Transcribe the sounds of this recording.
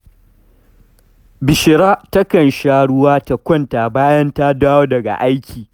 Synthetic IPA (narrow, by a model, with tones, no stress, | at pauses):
bɪ˨ʃɪ˨ɽaː˦tɐ˦kɐ˨nʃaː˦ɽʊ˦waː˦ta˨kʷɔ˦˨nta˨baː˦jɐ˦nta˦daː˦woː˦dɐ˨ɡa̰˨ʔa˦jkʲʰiː˨